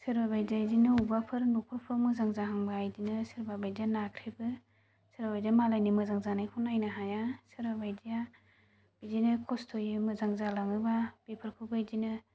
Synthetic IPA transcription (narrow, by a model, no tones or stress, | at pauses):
sɯɾbabajzajdinɯubapʰɯɾnupʰɯɾpʰɾɔmɯzaŋzaɦaŋbaajdinɯsiɾbabajdanakʰɾebɯ | sɯɾabajdamalajnimɯzaŋzanajkʰunajnɯɦajasɯɾbabajdija | b̥izinɯkʰɔstʰojɯmɯzaŋzalaŋɯbab̥ipʰɯɾkʰubɯjdinɯ